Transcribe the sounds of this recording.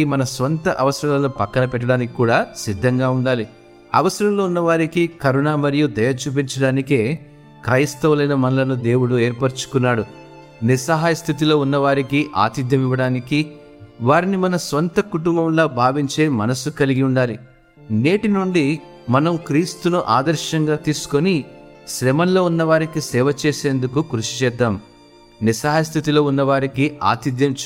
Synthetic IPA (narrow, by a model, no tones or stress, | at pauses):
imɐnɐsʋɐnt̪ɐʔɐʋɐsɾɐnɐloːpɐkːɐnɐpɛʈːɐɽaːnikikuːɽaːsid̪ʱːɐŋɡaːuɳɖaːli | ɐ̰ʋɐsɐɾɐmloːunːɐʋaːɾikikɐɾunaːmɐɾijud̪ɐjɐt͡ʃuːp̬iɲt͡ʃɐɽaːnike̞ː | kɾɐjst̪ɐʋlɐjnɐmɐnɐlɐnud̪e̞ːwuɽueːɾpɐɾt͡ʃu̥kunːaːɽu | nisɐɦaːjɐst̪ʰit̪̬ilo̞ːunːɐʋaːɾikiʔa̰ːt̪id̪ʱjɐmiʋɐɽaːniki | ʋaːɾinimɐnɐsʋɐnt̪ɐkuʈumbɐmlo̞ːbʱaːʋiɲt͡ʃe̞ːmɐnɐsukɐliɡiuɳɖaːli | ne̞ːʈinuɳɖi | mɐnɐmkɾiːst̪unuʔaːd̪ɐɾʃɐŋɡaːt̪iːsu̥koniʃɾɛmɐnlo̞ːunːɐʋaːɾikisɛːʋɐt͡ʃeːse̞ːnd̪ukukɾuʂi̥t͡ʃɛːd̪ːaːm | nisɐɦaːjɐst̪ʰit̪ilo̞ːunːɐʋaːɾikia̰ːt̪id̪jɐmt͡ʃ